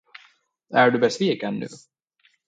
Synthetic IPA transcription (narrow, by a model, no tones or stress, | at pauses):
æɖɵbɛsviːkənːʉ̟̰ː